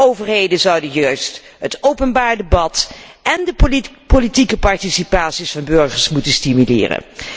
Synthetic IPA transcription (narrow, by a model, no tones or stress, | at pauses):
owvəɹɦejdəzɑwdəjœɥst | ɦətowpənbaːɹdəbɑt | ʔɛndəpolitikəpɑɹtisipaːtsisfɑnbɵɹχəɹsmutənstimylɪ̰ːrə̰n